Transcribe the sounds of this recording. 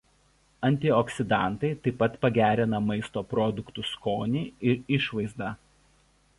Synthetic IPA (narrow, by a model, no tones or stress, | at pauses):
ɐnʲt̪ʲɪɔksʲɪd̪ɑˑnt̪ɐɪt̪ɐɪpːɐt̪pɐɡʲæːɾʲɪnɐmɐɪst̪oːpɾɔːd̪ʊkt̪ʊskoːnʲiːɪɾɪʃʋɐɪzd̪ɐ